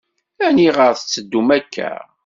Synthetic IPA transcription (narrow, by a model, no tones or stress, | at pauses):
æniʁəɾθət͡sːəd̪ːumækʰːæ̰